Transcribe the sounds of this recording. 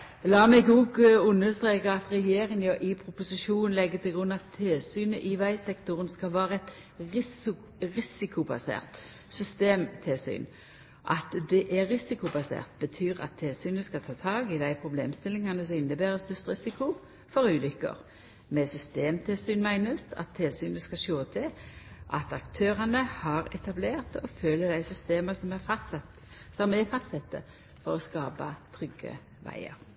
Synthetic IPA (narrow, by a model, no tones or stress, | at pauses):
lɑːmɛɡuːɡʉnːəst̪ʁeːkəɑt̪ʁɛjeːɾɪŋjœʔɪpʰʁʊpʊsɪʃuːnn̩lɛɡːət̪ʰɪlɡʁʉnːɑt̪ʰːeːsyːnəʔɪʋæɪsɛkt̪ʊʁənskɑlʋæːʁəɛt̪ | ʁɪs | ʁɪsɪkʊbɑ̰sḛːʁt̪ | sʏst̪eːmt̪ʰɛsy̰ːn | ʔɑ̰t̪d̪ɛʔæʁɪsɪkʊbɑsḛːʁt̪̚bət̪ʰyːʁɑ̰t̪ʰːeːsyːnəskɑlt̪ʰɑːt̪ʰɑːɡɪd̪æɪpʰɾʊbleːmst̪ɪlːɪŋkʰɑnd̪ʉs̬ɔɪnːəbeːɾʁəst̪œst̪ʁɪsɪkʊ | fɔɾʉːlʏkːə̰ʁ | mɛsʏst̪eːmt̪ʰɪlsyːnmæɪnəst̪ʰɑ̰t̪ʰːɪlsyːnəskɑʃoːt̪ʰɛʔɑt̪ɑkt̪ʰøːʁɑnəhɑʁɛt̪ɑbleːʁt̪ɔføːləd̪æɪsʏst̪eːməsɔmɛ | sɔmɛfɑst̪sɛt̪ːə̰ | fɔʁɔskɑːpɑt̪ʰʁʏɡə̰ | ʋæ̰ɪə̰ɾ